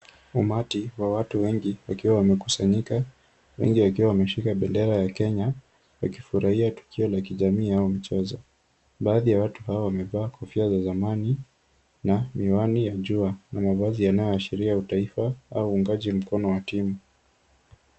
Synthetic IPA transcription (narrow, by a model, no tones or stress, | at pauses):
umatiwawatuwɛŋɡiwakiwawamɛku̥saɲika | wɛ̰ŋɡiwakiwawamɛʃikaɓɛndɛɾajakɛɲa | wa̰kifuɾahiatu̥kʰiɔlakiʄamiːaumit͡ʃɛzɔ | ɓaːðijawatuɦaɔwamɛvaːkʰɔfiazazamani | namiwanijaʄuanamavazijanajɔaʃiɾiautaifaauːŋɡaʄim̩kɔnɔwatimu